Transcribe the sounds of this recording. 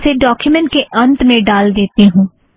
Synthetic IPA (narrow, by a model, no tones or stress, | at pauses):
seːɖɔːkjumɛ̃ɳʈ̚keʔənt̪mẽɖaːld̪eːt̪eɦũː